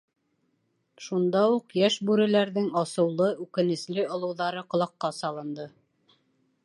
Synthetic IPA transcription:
ʃund̪ɑuqjæʃbʉɾɘ̆læɾðɘŋɑsɤ̆wlˠɤʉkɘ̆nɘ̆slɘŏlˠɤ̆wðɑɾɤqŏlˠɑqːɑsɑlˠɤ̆nd̪ɤ

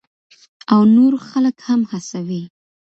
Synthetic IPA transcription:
awnoɾxaləkhamhasawi

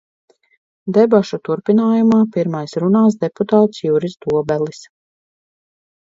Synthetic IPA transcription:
d̪ɛbaʃut̪uɾpinaːjumaːpiɾmajsɾunaːs̬d̪eput̪aːt̪sjuɾisd̪uɔbɛlˠis

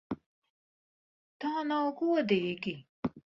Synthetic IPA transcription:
t̪aːnawɡuɔd̪iːɡi

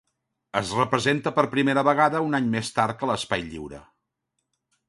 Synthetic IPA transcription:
əzrəpɾəzent̪əpəɾpɾimeɾəβəɣ̞aðəunaɲmest̪aɾt̚kələspajʎḭwɾə̰

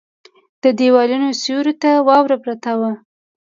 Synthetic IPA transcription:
d̪̥əd̪ewɑlunosuɾot̪awɑwɾapɾat̪awa

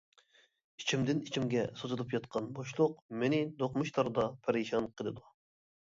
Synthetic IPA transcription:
it͡ʃʰimd̪ɪnit͡ʃʰimɡʲɛsozɨlɨpjɑt̪qʰɑnboʃlˠʊqmenɪd̪oqmuʃt̪ʰɑɾd̪ɑpʰæɾeʃɑnqʰəlˠɨd̪u

